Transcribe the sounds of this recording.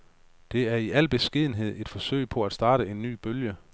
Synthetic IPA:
d̥e̝æɐiʔæl̰b̥e̝sɡ̥iðˠn̩ɦe̝ð̞̰ˠe̝d̥fɒ̽sø̰ɪ̰pʰɒ̽æd̥sd̥ɑ̈ːɾ̥əe̝nːy̰ːb̥øljə

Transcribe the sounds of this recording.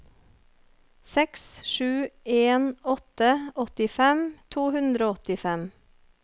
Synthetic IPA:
sɛksʃʉːeːnɔt̪əʔɔt̪ɪfɛmt̪ʰuːhʉnd̪ɾoːɔt̪ɪfɛm

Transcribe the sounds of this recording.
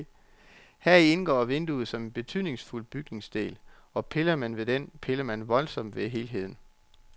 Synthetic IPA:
hæɐ̰ie̝nɡ̥ɒ̰ːʋe̝nd̥uð̩ˠsɒ̽me̝nb̥e̝t͡sʰyð̰ˠne̝ŋsful̰b̥yɡ̥ne̝ŋsd̥e̝̰ːlɒ̽pʰe̝lɐmænʋe̝d̥enpʰe̝lɐmænʋɒ̽lsɒ̽m̰d̥ʋe̝ɦe̝ːlɦe̝ð̰ˠn̩

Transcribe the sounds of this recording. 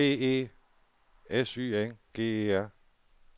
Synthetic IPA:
ḛːe̝̰ː | esy̰ːenɡ̥e̝̰ːeːæɐ̰

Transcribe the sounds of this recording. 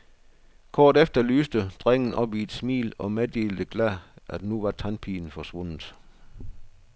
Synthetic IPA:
kʰɒːd̥efd̥ɐlyːsd̥əd̥ʁeŋ̰n̩ʔɒ̽b̥ied̥smḭːlɒ̽med̥eːld̥əɡ̥læʔæd̥nuʋɑ̈t͡sʰɑnpʰiːn̩fɒ̽sʋɔ̽n̰ð̩ˠ

